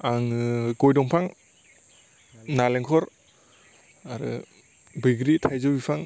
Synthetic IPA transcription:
aŋɯɡɔjdɔŋpʰaŋ | naleŋkʰɔɾ | aɾɯ̰ | bɯjɡɾitʰajzɯbipʰaŋ

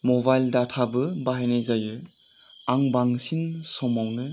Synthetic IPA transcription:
mɔbajldatʰabɯbaɦajnezajɯ | aŋbaŋsiŋsɔmawnɯ

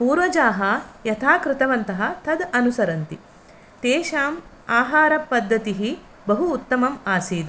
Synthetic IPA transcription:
puːɾʋɐd͡ʒaːɦɐjɐt̪ʰaːkɾɪt̪ɐʋɐnt̪ɐɦɐ̆t̪ʰɐd̪ɐnusɐɾɐnt̪i | t̪eːʃaːm | aːɦaːɾɐpːɐd̪ʱːɐt̪iɦi | bɐɦuːt̪ːɐmɐmaːsiːd̪

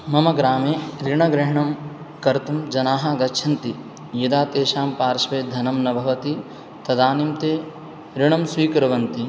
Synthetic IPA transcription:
mɐmɐɡɾaːmeːɾiɳɐɡɾɪɦɐɳɐm | kɐɾt̪ɐmd͡ʒɐnaːɦɐɡɐtːʃʰɐnt̪i | jɐd̪aːt̪eːʃaːmpaːɾʃʋeːd̪ʱɐnɐmnɐbʱɐʋɐt̪i | t̪ɐd̪aːnimt̪eː | ɾiɳɐmsʋiːkɐɾɐʋɐnt̪i

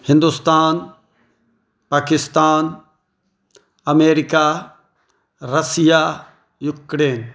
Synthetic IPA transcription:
hɪ̃nd̪ust̪aːn | paːkɪst̪aːn | ɐmeːɾɪkaː | ɾɐsijaː | jʊkɾeːn

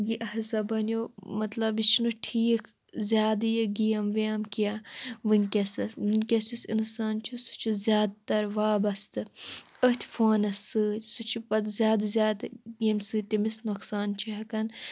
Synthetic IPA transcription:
jiʔɐɦɐsɐbɐnʲjoːmɐt̪lɐbit͡ʃnuʈʰiːkʰ | zʲjaːd̪jɐɡijɐmʋijaːmkijaʋɨnʲkʲɐsɐsɨnʲkʲɐsisinsaːnt͡ʃʰisu̥t͡ʃʰizʲjaːd̪̚t̪ɐɾʋaːbɐst̪ɨət̪ʰʲfʰoːnɐsɨːsut͡ʃʰipɐt̪zʲjaːd̪zʲjaːd̪ɡijɐmsɨt̪ʲimisnoksaːnt͡ʃʰiɦɐkɐn

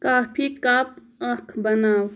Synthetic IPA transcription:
kaːpʰikaːp̚ | ɐkʰbɐnaːw

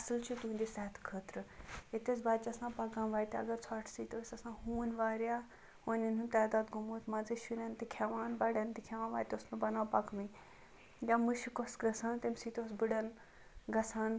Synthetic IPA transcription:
ɐsɨlt͡ʃʰit̪uːnd̪isaːt̪ʰkʰəːt̪ɾɨit̪et͡sbaːt͡ʃɐsãːpɐɡãmʋaːjt̪iɐ̰ɡɐɾt͡sʰaːʈʰsit̪oːsʲɐsãːɦuːnʋaːɾja | onʲinunt̪aːd̪aːd̪ɡumuːt̪ʰmad͡zeʃiɾant̪ikʰɛʋaːnbɐɽant̪ikʰɛʋãːnʋaːjt̪ʲosnɨbɐnaːpɐkmi | jaːmɨʃikosɡɐsʰaːnt̪emsiːt̪oːs̬bɨɽɐn | ɡɐsʰaːn

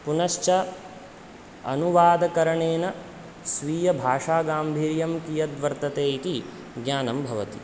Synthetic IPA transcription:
punɐʃt͡ʃɐ | ɐ̰nuʋaːd̪ɐkɐɾɐɳeːnɐ | sʋiːjɐbʱaːʂaːɡaːmbʱiːɾjɐmkijɐd̪ʋɐɾt̪ɐt̪eːk̪i | ɡɲaːnɐmbʱɐʋɐt̪i

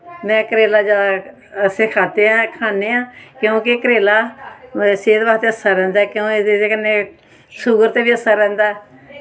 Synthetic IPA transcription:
mɛ̃ːkəɾeːlaːd͡ʒa | seːkʰaːt̪eːãːkʰaːneːãːkjõːkekəɾeːlaː | seːt̪ʋaːt̪eːəsaːɾɛ̃ːnd̪aɛːkjõːeeeːkənːeː | suɡəɾt̪eːʋiːəsːaːɾɛ̃ːnd̪aːɛː

